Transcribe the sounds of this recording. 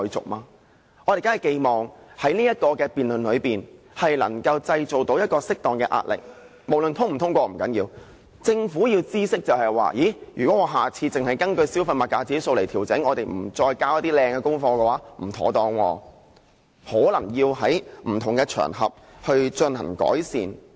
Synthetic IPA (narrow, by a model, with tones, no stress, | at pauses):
ɔ˧jt͡sʊ̰˨˩k̚maː˧ | ʔɔː˨˧t̪e˨kaː˥ɐ˨˩ke˧jmɔː˨˩ŋhɐ˨˥jniː˥jɐ˥t̚kɔː˧kɛː˧piː˨nlɵ˨nlɵ˨˧ɥpiː˨n | hɐ˨jlɐ̰˨˩ŋkɐ˧wt͡sɐ˧jt͡so˨wt̪o˨˥wjɐ˥t̚kɔː˧sɪ˥k̚t̪ɔː˨ŋkɛː˧ʔa̰ː˧t̚lɪ̰˨k̚ | mo˨˩wlɵ˨nt̪ʰʊ˥ŋm̩˨˩t̪ʰʊ˥ŋkʷɔː˧m̩˨˩kɐ˨˥njiː˧w | t͡sɪ˧ŋfuː˨˥jiː˧wt͡siː˥sɪ˥k̚t͡sɐ˨whɐ˨jwa̰ː˨jiː˨˥jyː˨˩kʷwɔ˨˦˥ŋɔː˨˧ɦaː˨t͡sʰiː˧t͡sɪ˨ŋhɐ˨jkɐ˥nkɵ˧ɥsiː˥wfɐ˧jmɐ˨t̚kːaː˧t͡siː˨˥so˧wle˨˩jt̪ʰiː˨˩wt͡sɪ˨˥ŋɔː˨˧t̪e˨˩jm̩˨˩t͡sɔː˧jkaː˥wjɐ˥t̪iː˥lɛː˧ŋkɛː˧kʊ˥ŋfɔː˧kɛː˧waː˨˥m̩˨˩t̪ʰɔ̰ː˨˥t̪ɔː˧ŋwɔː˧ | hɔː˨˥lɐ˨˩ŋjiː˧wɦɐ˨˥jm̩˨˩t̪ʰʊ˨˩ŋkɛː˧t͡ʃʰœ̰ː˨˩ŋɦɐ̰˨p̚ | hɵ˧ɥt͡ʃɵ˧nhɐ̰˨˩ŋkɔ̰ː˨˥jsḭː˨n